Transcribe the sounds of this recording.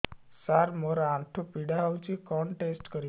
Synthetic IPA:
saɾmɔɾãʈʰopiɽaʋt͡ɕikɔɳʈesʈkəɾi

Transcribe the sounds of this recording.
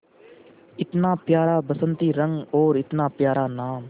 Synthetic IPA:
ɪt̪naːpjaːɾaːbəsə̃nt̪iːɾə̃ŋɡoːɾɪt̪naːpjaːɾaːnaːm

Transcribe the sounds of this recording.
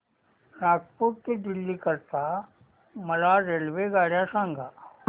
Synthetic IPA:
ɾaːk̚puʈ̚ked̪ilːikɐɾt̪aː | mɐlaːɾelʋeɡaːɽjaːsaːŋɡʱa

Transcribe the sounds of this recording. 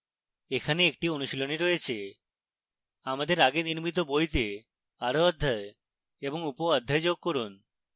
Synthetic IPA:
ekʰaneek̚ʈionuʃiloneɾojet͡ɕʰe | amad̪eɾaɡeniɾmit̪̬obojt̪e | aɾoɔd̪ʱːae | eboŋupoɔd̪ʱːaed͡ʑoɡ̚koɾun

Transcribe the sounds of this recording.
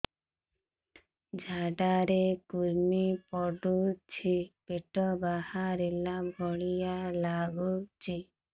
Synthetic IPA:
d͡ʒʱaɖaɾekuɾmipɔɖut͡ʃʰipeʈɔbahaɾelabʱɔɽijalaɡut͡ʃʰi

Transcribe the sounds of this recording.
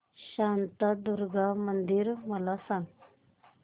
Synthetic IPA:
ɕãnt̪ad̪uɾɡamənd̪iɾməlasãŋ

